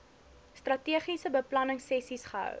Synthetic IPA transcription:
strɐtiəχisəbəplɐnəŋsɛsisχəɦœ̰w

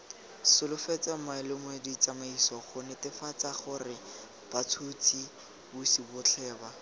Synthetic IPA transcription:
sʊlʊfɛt͡samaɪlɪmwɛdit͡samaisɔχʊnɛtɪfat͡saχʊrɪ | b̥at͡sʰut͡sʰi | bʊsibʊt͡ɬʰɛːba

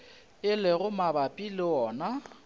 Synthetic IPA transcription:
ɪlɪɣʊmabapʼilɪɔːna

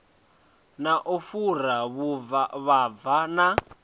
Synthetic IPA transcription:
naʔufuɾaβuvaβab̪vana

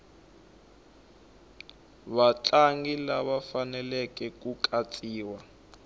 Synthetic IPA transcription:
βat͡ɬʼaŋɡilaβafanɛlɛkʼɛkʼukʼat͡sʼiːwa

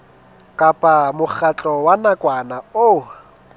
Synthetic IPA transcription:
kʼapʼamʊk͡xat͡ɬʼɔwanakʼwanao

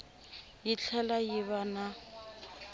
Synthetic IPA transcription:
jɪt͡ɬʰɛlajɪβana

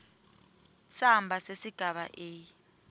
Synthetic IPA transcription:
sambʱasesiɡ̥ʱaɓa̰ʔeː

